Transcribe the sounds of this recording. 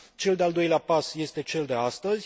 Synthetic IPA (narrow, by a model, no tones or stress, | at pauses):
t͡ʃe̞ld̪eald̪o̞jleapasje̞st̪e̞t͡ʃe̞ld̪e̞ast̪əzʲ